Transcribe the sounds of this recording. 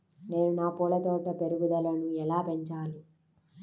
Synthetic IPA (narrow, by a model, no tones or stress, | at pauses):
neːnunaːpuːlɐt̪oːʈɐpeɾuɡud̪ɐlɐnuɛlaːpeɲt͡ʃaːli